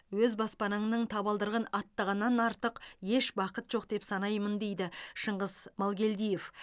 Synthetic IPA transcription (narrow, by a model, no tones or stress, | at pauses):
wɵzbɑspɑnəɴnəɴt̪ʰɑβɑlˠd̪əɾʁənɑt̪ːɑʁɑnːɑnɑɾt̪əqje̞ʃbɑqət̪ʒ̥o̞q̚d̪e̞psɑnɑjmənd̪e̞jd̪ɪʃəɴʁəzmɑlˠɡʲe̞ld̪ijef